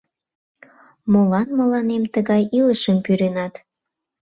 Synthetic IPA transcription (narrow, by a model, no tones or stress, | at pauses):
molɑnmə̆lɑnemt̪əɣɑjiləʃəmpyɾenɑt̪